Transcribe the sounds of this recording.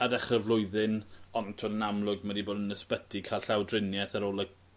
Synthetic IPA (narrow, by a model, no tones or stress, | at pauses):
əðɛχrɛvlˠʊɨðɪnɔntʰɔnənamlˠʊɡmadiboːdənəspətʰikʰaːlˠɬawdrɪnjɛθaɾoːlˠə